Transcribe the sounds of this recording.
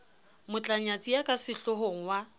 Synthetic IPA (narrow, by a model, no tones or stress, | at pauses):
mʊt͡ɬʼaɲat͡sʼijakʼasɪɬʊɦoŋ̩wa